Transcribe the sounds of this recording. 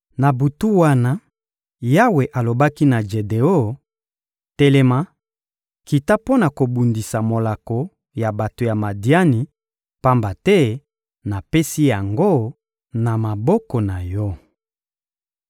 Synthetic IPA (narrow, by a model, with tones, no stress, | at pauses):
na˨bu˨tu˦wa˦na˦ | ja˦we˨ʔa˨lo˨ba˦ki˦na˨d͡ʒe˨de˨o˦ | tɛ˦lɛ˦ma˦ | ki˨ta˦po˦na˨ko˨bu˨ndi˨sa˨mo˨la˨ko˨ | ja˨ba˨to˨ja˨ma˨di˦a˦ni˨ | pa˦mba˨tɛ˦ | na˨pe˦si˦ja˨ŋɡo˦ | na˨ma˨bɔ˦kɔ˨na˨jɔ˦